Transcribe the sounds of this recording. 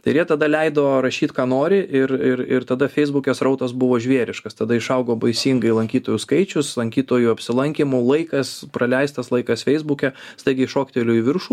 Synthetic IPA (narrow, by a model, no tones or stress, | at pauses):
t̪ɐɪɾjiɛt̪ɐd̪ɐlʲɛɪd̪oːɾɐʃʲiːt̪kɑːnoːɾʲɪʔɪɾɪɾɪɾt̪ɐd̪ɐfʲɛɪzbʊkʲɛsɾɐʊt̪ɐsbʊʋoːʒʲʋʲiɛɾʲɪʃkɐst̪ɐd̪ɐɪʃɐʊɡoːbɐɪsʲiŋɡɐɪlˠɐŋʲkʲiːt̪oːjuskɐɪt͡ʃʲʊslˠɐŋʲkʲiːt̪oːjuɐpʲsʲɪlˠɐŋʲkʲɪmʊlˠɐɪkɐspɾɐlʲɛɪst̪ɐslˠɐɪkɐsfʲɛɪzbukʲɛst̪ɐɪɡʲɪɪʃoːkʲt̪ʲelʲʊːiʋʲɪrʃuː